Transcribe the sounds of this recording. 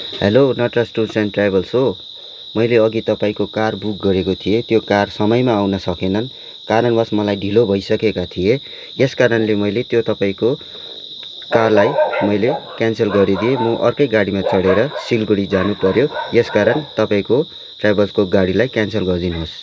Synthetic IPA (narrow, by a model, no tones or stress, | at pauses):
hḛlonʌʈrasʈusʌnʈrajbʱʌlsɦo | mʌjleʌɡit̪ʌpaĩkokarbuk̚ɡʌɾekot̪ʰiet̪jokarsʌmʌjmaːwnʌsʌkenʌn | kaɾʌnbʌsmʌlajɖʱilobʱʌjsʌkekat̪ʰije | eskaɾʌnlemʌjlet̪jot̪ʌpaĩko | karlajmʌjlekanselɡʌɾid̪ijemʌʔʌ̰rkʌjɡaɽimat͡sʌɽeɾʌsilɡuɽid͡zanupʌɾjojeskaɾʌnt̪ʌpaĩko | ʈrajbʌlskoɡaɽilajkansʌlɡʌrd̪inɦos